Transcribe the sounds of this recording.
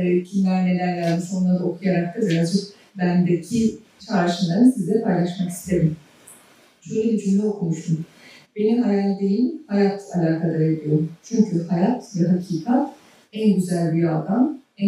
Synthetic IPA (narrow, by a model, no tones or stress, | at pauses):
cʰinaːne̞lʲæɾlʲæɾd̪isonˠaɾd̪aokʰujaɾak̚t̪ʰaziɾazd͡ʒɯk | bænd̪ecʰi | t͡ʃʰaɾʃɯmlˠaɾɯnsizd̪ɛpʰajlˠaʃmaki̥st̪ʰe̞ɾim | ʃøjlʲed̪yd͡ʒʰynd̪ɛokʰumuʃt̪um | be̞nimhajalʲd̪ejimhajat̪ʰalʲaːkʰalˠaɾajeɾijo̞ɾumt͡ʃʰyɲcʰyhajat̪vɛɦacʰiːkʰat̪ | ænɟyzælʲbiɾad̪amæ